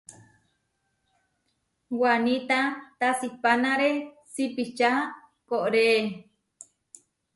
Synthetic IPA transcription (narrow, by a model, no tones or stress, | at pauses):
wanit̪at̪asipanaɾe | sipit͡ʃa | koʔɾe